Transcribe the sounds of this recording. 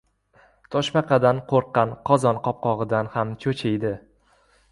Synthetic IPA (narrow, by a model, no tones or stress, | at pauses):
t̪ʰɒʃmaqʰɑd̪anqʰoɾqːɑnqʰɒzɒnqʰɒp̚qɒʁɨd̪anhamt͡ʃʰɵt͡ʃʰejd̪ɪ